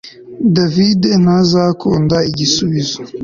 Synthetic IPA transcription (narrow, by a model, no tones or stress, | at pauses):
davidnazakʰondaiɟisubizo̥